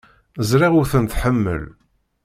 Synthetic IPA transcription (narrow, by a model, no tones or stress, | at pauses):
əzɾiʁʊɾθənt̪ħəmːə̰l